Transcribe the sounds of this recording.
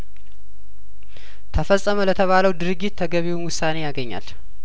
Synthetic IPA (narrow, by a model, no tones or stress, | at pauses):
t̪ʰəfəsʼːəmələt̪ʰəβaləwd̪ɨɾɨɡːit̪ːʰəɡəβewnwʊsːane̞jaɡəɲːa̰l